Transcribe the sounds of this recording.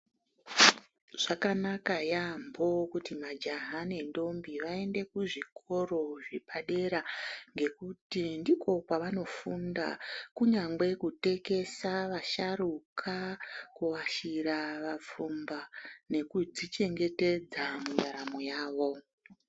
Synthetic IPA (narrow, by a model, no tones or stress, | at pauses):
ʐ̥akanakajambo̞kutimad͡ʒaɦane̞ndo̞mbiʋae̞nde̞kuʐikʰo̞ro̞ʐipʰaɗe̞ɾaŋɡe̞kutindiko̞kaʋano̞funda̰kuɲaŋɡe̞kute̞ke̞saʋaʃarukʰakuwaʃiɾaʋap͡fumbane̞kud͡zit͡ʃe̞ŋɡe̞te̞d͡zamundaɾamojaːʋo̞